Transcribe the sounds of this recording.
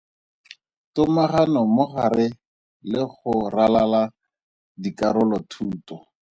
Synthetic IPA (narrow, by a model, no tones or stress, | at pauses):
tʊmaχanɔmʊχaɾɪ | lɪχʊralala | dikaɾʊlɔtʰuːtɔ